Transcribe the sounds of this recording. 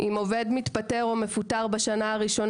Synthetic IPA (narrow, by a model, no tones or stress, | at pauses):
ʔimo̞ve̞dmitpate̞ʁo̞me̞futaʁbaʃanaaʁiʃo̞n